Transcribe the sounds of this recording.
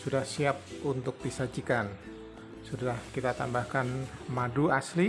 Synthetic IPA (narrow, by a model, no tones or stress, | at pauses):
sudahsiap̚unt̪ʊk̚disad͡ʒikan | sudahkit̪at̪ambahkanmaduasli